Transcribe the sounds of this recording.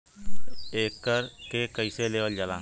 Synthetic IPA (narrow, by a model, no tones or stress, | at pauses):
eːkːəɾkekəiseleːʋəld͡ʒəlã̰ː